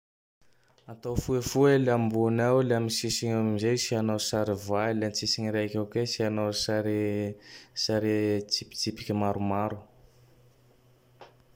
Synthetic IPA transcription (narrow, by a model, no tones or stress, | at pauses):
at̪owfuefuelambunawleamisisiɲamamizejsianawsaɾivalant͡sisiŋiɾakʲakesianawsaɾe | saɾet͡sipi̥t͡sipi̥kʲimaɾumaɾu̥